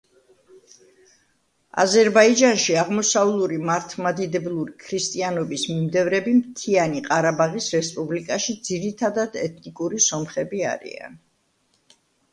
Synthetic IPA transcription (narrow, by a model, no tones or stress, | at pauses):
a̰zɛɾbaid͡ʒanʃiaʁmɔsavlˠuɾimaɾt̪ʰmad̪id̪ɛblˠuɾikʰɾist̪ʼianɔbismimd̪ɛvɾɛbimt̪ʰianiqʼaɾabaʁisɾɛspʼublikʼaʃid̪ziɾit̪ʰad̪ad̪ɛt̪ʰnikʼuɾisɔmχɛbia̰ɾḭa̰n